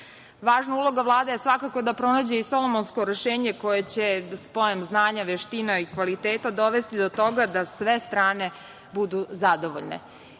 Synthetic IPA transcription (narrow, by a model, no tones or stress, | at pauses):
ʋaːʒnaulˠo̞ɡaʋlˠaːd̪ejesʋakako̞d̪apɾo̞naːd͡ʑe̞isolˠomonsko̞ɾeʃeːɲeko̞jet͡ɕespo̞jemznaːɲaʋeʃt̪inaikʋalit̪eːt̪ad̪o̞ʋe̞st̪id̪o̞t̪o̞ɡad̪asʋe̞st̪ɾaːne̞ | bud̪uzad̪o̞ʋo̰ʎnḛ